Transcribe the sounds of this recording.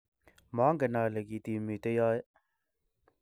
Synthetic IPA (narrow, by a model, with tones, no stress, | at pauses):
ma˨˦ŋɡɛ˨na˨le˨ki˨t̪i˨mi˨t̪e˦jɔ˦j